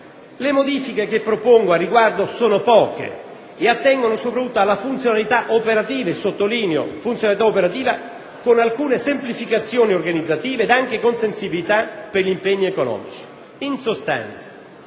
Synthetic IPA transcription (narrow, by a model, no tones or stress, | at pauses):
lemod̪iːfikek̟epːɾopoŋɡoarːiɡward̪osoːnopɔːkḛ | eat̪ːɛŋɡonosopɾat̪ut̪ːoalːafunt̪sjonalit̪aʔopeɾat̪iːvaesot̪ːoliːneo̰funt̪sjonalit̪aopeɾat̪iːva | konalkuːnesemplifikat̪sːjoːniorɡanid̪zːat̪iːveːd̪aŋk̟ekonsensibilit̪aperʎimpeɲːiekonɔ̰ːmit͡ʃi̥ | insost̪a̰nt̪sḁ